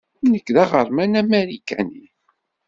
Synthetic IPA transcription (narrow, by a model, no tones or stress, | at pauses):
nəkːðæʁəɾˤmænæmeɾikæni